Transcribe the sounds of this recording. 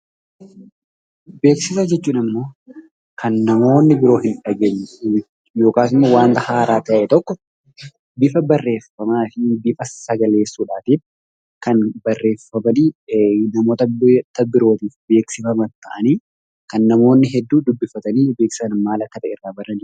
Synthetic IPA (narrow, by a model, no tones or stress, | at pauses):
be̞ːksɪsad͡ʒɛt͡ʃːuːnɪmːo̞ː | kʰɐnːɐmo̞ːnːɪbɪɾo̞ːɦɪnᶑɐɡeːɲːɛ | jo̞ːkaːsɪmːowaːnt̪ɐhaːɾaːt̪ɐʔɛt̪ɔkːɔ | bɪfɐbɐrːe̞ːfɐmaːfɪbɪfɐsɐɡɐle̞ːsːuːᶑaːt̪iːf | kɐnbɐrːe̞ːfɐmɐniːnɐmo̞ːt̪ɐt̪ːɐbɪɾo̞ːt̪iːfbe̞ːksɪfɐmɐt̪ːɐʔɐniː | kɐnːɐmo̞ːnːɪɦɛd̪ːuːd̪ʊbːɪfɐt̪ɐniːbe̞ːksɪ̥sɐnmaːlɐkːɐt̪ɐʔḛrːaːbɐrɐn